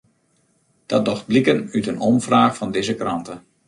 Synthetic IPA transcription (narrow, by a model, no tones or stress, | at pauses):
d̥ɑt̚dɔχt̚blikənytənɔmvraːχfɑndɪzəkrɑntən